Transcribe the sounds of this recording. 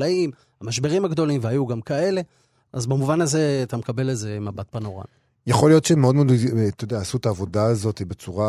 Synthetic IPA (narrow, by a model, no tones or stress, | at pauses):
aim | hamaʃbe̞ʁimhaɡd̪o̞limvehajuɡamkae̞le̞ | ʔazbemuvanaze̞at̪amekabe̞leze̞mabat̪̚pano̞ʁa̰n | jaχo̞lijo̞tʃemeo̞d̪mod̪t̪ojd̪eaːsuet̪aːvo̞daazo̞t̪ibet͡suʁa